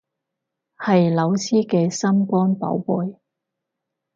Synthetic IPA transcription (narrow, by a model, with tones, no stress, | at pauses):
hɐ˨jlɐ˨˧wsʰiː˥kɛː˧sɐ˥mkɔː˥npɐ̰˨˥wpuː˨˩j